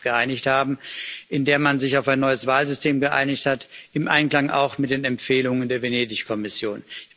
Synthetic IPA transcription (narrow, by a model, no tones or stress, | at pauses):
ɡ̥əʔaɪnɪçthaːbm̩ʔɪndeːɐmanzɪçaʊfaɪnːɔʏəsv̥aːlzʏstʰeːmɡəʔa̰ɪnɪçthatɪmʔa̰ɪnkl̥aŋʔa̰ʊxmɪt̚d̥eːnɛmfeːlʊŋəndeːɐveneːdɪçkʰɔmɪsjoːn